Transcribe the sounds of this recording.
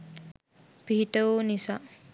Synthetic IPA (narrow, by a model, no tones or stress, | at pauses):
piɦiʈəuːnisa